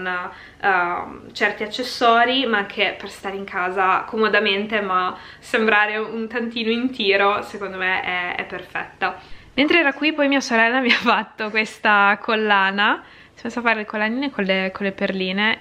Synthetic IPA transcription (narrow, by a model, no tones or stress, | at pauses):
n | t͡ʃɛrt̪iat͡ʃːesːɔːɾimaaŋkʰeperst̪aːɾeiŋkʰaːzakomod̪ament̪ema | sembɾaːɾeunt̪ant̪iːnoint̪iːɾosekond̪omeʔɛɛ̰pːerfɛ̰t̪ːament̪ɾeɛːɾakwipɔjmiːasoɾɛlːamiafat̪ːokwest̪akʰolːaːna | smesafaːɾelekolːaniːnekolekolːeperliːne